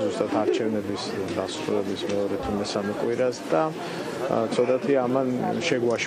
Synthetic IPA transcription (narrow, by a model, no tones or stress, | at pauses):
zust̪ʼat̪ʰaɾt͡ʃʰɛvnɛbisd̪asɾulɛbismɛɔɾɛt̪ʰumɛsamɛkʼwiɾasd̪a | t̪sʰɔt̪ʼat̪ʰiaːmanʃɛɡwaʃ